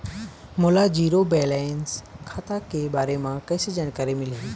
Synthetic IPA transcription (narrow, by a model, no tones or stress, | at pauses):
molad͡ʑiːɾobeːlaːnskʰat̪akebaːɾemãkɐːsed͡ʒankəɾemɪle